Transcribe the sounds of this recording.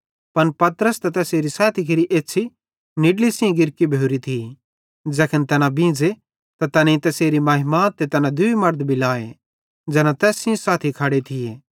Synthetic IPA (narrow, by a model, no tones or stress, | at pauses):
pɐnpɐt̪əɾəst̪at̪ɛːseːɾisaːt̪ʰikʰeɾiʔeːtːt͡ʃʰi | nɪɖlisɪĩɡɪɾkibʱjeoːɾit̪ʰi | d͡zɛːkʰənt̪ɛːnãbĩːd͡ze | t̪at̪ɐnẽĩt̪ɐseːɾimɐːɦɪmaːt̪ːet̪ɐnãd̪ʊimɐɾd̪bʱilaːe | d͡zɛːnãt̪ɛːsĩsaːt̪ʰikʰaːɽet̪ʰɪjeː